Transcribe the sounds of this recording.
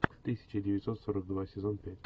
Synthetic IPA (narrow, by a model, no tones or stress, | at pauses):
t̪ɨsʲɪ̥t͡ɕɪdʲɪvʲɪt̪so̞t̪soɾək̚d̪vasʲɪzo̞npʲætʲ